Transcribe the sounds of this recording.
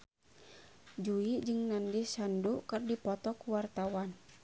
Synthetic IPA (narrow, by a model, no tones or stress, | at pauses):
d͡ʒuid͡ʒɨŋnandisandukɨrdipɔt̪ɔkuwart̪awan